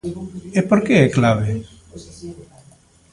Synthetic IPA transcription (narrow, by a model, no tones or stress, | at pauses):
epoɾkeɛklaβe